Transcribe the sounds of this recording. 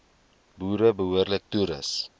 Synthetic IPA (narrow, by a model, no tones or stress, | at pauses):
buːɾəbəɦuərlək̚tuɾəs